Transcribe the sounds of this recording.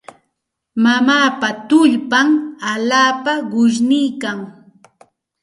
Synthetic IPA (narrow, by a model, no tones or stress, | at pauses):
mamaːpat̪ʊʎpamaʎaːpaɢʊʃ̬nɪjkaŋ